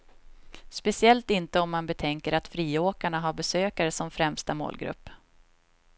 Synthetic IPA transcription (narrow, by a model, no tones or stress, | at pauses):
spɛsɪɛlt̪ɪnt̪əɔmːanbɛt̪ʰɛŋkəɾat̪fɾiːoːkaɳaɦaɾbɛsøːkaɾəsɔmfɾɛmst̪amo̰ːlɡɾɵ̰pː